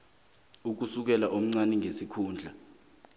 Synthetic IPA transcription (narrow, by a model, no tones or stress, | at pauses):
uk̬usuk̬ɛlaʔom̩ŋ͡ǀaniŋʱesikʰuːnd͡ɮʱa